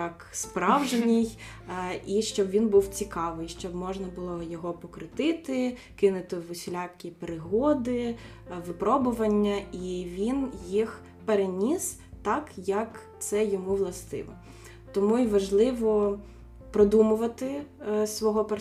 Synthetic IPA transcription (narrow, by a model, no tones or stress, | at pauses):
jɐkspɾɑwʒenʲij | iʃt͡ʃɔbʋʲinbuwt͡sʲikɑʋɪjʃt͡ʃɔbmɔʒnɐbʊlˠɔjɔɦɔpɔkɾɪt̪ɪt̪ɪ | kɪnʊt̪ɪʋʊsʲlʲakʲːipeɾɪɦɔd̪ɪ | ʋɪpɾɔbʊʋɐnʲːɐiʋʲinjix | peɾenʲis | t̪ɑkjɐk | t̪sɛjɔmuʋlˠɐst̪ɪ̰ʋɔ̰ | t̪ɔmuiʋɐʒlˠɪʋɔ | pɾɔd̪umʊʋɐt̪ɪsʋɔɦɔpe